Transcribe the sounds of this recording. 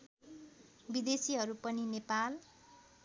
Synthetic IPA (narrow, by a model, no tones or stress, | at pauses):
bid̪esiɦʌɾupʌninepal